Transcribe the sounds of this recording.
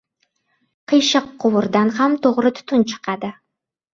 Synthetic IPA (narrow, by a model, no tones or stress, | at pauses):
qʰəjʃɤqʰːʊwʊɾd̪anhamt̪ʰoʁɾɪt̪ʰʊ̥t̪ʰʊnt͡ʃʰɨ̥qʰɑd̪ɪ